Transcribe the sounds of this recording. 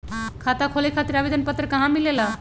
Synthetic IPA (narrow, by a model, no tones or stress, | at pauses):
kʰat̪akʰolekʰat̪iɾabid̪ʱənpət̪ːɾekaɦãmilela